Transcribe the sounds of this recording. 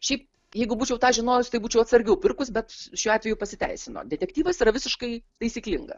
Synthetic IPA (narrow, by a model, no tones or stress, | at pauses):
ʃʲɛɪp | jɛɪɡʊbuːt͡ʃʲɛʊt̪ɑːʒʲɪnoːjʊsʲt̪ɐɪbuːt͡ʃʲɛʊɐt̪sɐɾʲɡʲɛʊpʲɪɾkʊsbʲɛt̪ʃʲuːɑːtʲʋʲɛjʊpɐsʲɪt̪ʲɛ̰ɪsʲɪno̰ːd̪ʲɛtʲɛk̚t̪ʲiːʋɐsiɾɐʋʲɪsʲɪʃkɐɪt̪ɐɪsʲiːklʲɪŋɡɐ̰